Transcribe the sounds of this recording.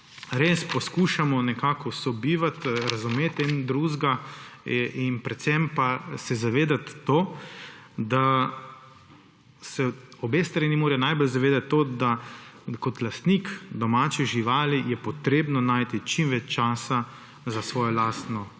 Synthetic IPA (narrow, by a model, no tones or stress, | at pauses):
ɾespɔskuːʃamɔnɛkaːkɔsɔbiːʋat̪ɾazumeːt̪ɛnd̪ɾuːʒɡa | inpɾɛt̪sɛmpasɛzaʋeːd̪at̪ːoː | d̪a | sɛɔbeːst̪ɾanimoːɾɛnaːjbɔlzaʋeːd̪at̪ːod̪akɔt̪last̪nikd̪ɔmaːt͡ʃɛʒiʋaːlijɛpɔt̪ɾeːbnɔnaːjt̪it͡ʃimʋɛt͡ʃt͡ʃaːsa | zasʋɔːjɔlaːst̪nɔ